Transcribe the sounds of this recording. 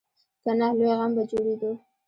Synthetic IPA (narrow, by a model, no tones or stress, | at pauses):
k̪anɑhlojɣambad͡ʒoɽed̪o